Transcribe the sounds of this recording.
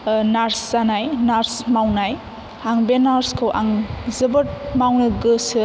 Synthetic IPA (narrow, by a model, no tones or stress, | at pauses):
naɾsːanajnaɾsmawnaj | haŋbenaɾskʰɯwʔaŋzɯbɯt̚mawnɯɡɯsɯ